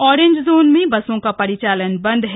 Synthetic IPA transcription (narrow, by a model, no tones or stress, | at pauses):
ɔːɾẽːɲd͡ʒzoːnmẽbɐsõkapɐɾɪt͡ʃaːlənbɐ̃nd̪ʱɦɛ